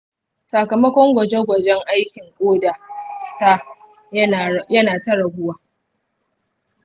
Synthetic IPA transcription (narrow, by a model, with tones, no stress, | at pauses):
sa˨kɐ˨mɐ˦kʷɔ˦ŋɡʷɐ˨d͡ʒe˦ɡʷɐ˨d͡ʒɛ˦ŋʔa˦jkʲɪ˨ŋkʷʼoː˦da˨ta˦ | jɐ˦naː˨tɐ˦ɽɐ˨ɡʷʊ˦waː˨